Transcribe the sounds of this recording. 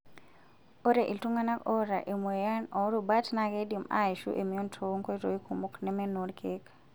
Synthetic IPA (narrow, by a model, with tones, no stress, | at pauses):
o˦ɾe˨ʔi˨ltu˦ŋa˦na˦kɔ˦ɾa̰˨ʔe˨mu˨ja˦nɔ˨˦ɾuba˦tna˨ke˦di˨ma̰˦i˨ʃṵ˦ʔe˨mi˨o˦ntʰo˨˦ŋko˦i˦to˨i˦kʰu˨mu˦knɛ˦mɛ˦no˨ɾkʰek